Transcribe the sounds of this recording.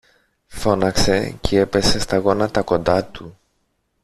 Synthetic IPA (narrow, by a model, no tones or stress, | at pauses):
fo̞nɐkse̞cee̞pe̞se̞st̪ɐɣo̞nɐt̪ɐko̞nd̪ɐt̪u